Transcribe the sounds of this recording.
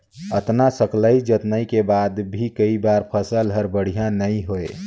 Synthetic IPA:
ət̪nasəkləid͡ʒət̪nəikebad̪bʱikəibaɾpʰəsəlɦəɾbəɽ̤ijãnəiɦoe

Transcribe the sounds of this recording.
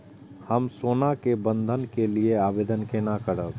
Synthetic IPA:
həmsoːnakebə̃nd̪ʱənkelieaːbeːd̪ənkenakəɾə

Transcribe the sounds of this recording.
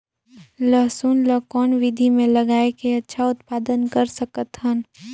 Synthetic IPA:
ləɦsuːnləkɔːnʋɪd̪ʱimẽlɐɡaːekeɐtːʃʰaʊt̪paːd̪ənkəɾsəkət̪ɦən

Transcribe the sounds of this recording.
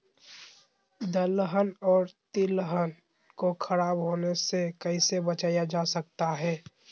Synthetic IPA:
d̪əlɦənɔːɾt̪ilɦən | kokʰɐɾaːbɦoːnesekəɪsebət͡ʃaːjad͡ʒaːsɐk̚t̪aɦɛː

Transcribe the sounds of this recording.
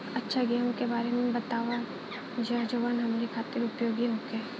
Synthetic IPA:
ɐtːʃʰaɡeõkebaːɾemẽbɐt̪aːʋa | d͡ʒʱad͡ʒoːʋaːnɦɐmaːɾikʰaːt̪ɪɾʊpjoːɡiɦoːke

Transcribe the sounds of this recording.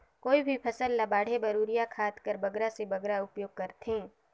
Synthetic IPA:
koːibʱipʰɐsəlːɐbaːɽ̤ebɐɾuːɾijakʰaːt̪kəɾbɐɡɾasebɐɡɾaʊpjoːɡ̚kɐɾt̪ɦẽː

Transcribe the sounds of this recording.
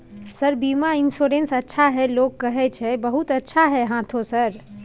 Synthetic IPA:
səɾbimainsoɾensətːʃʰaɦɛlokːəɦɛt͡ʃʰɛbəɦut̪ətːʃʰaɦɛɦãt̪ʰosəɾ

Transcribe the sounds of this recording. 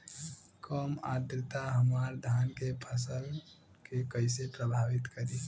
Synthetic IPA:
kəːmaːd̪ɾɪt̪aɦəmaːɾd̪ʱaːnkepʰəsəl | kekəɪsepɾəbʱaːʋɪt̪kəɾi

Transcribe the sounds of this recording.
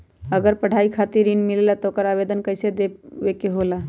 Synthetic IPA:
əɡəɾpəɽ̤ʱaikʰat̪iɾinmilelat̪ɔokəɾabed̪ənkəjsed̪ebekeɦola

